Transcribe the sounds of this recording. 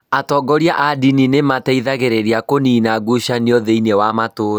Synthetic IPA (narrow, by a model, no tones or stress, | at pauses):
atɔɡɔɾjaʔadininemataiðaɣeɾeɾiakoninaɡuɕaniɔðeinewamatoːɾ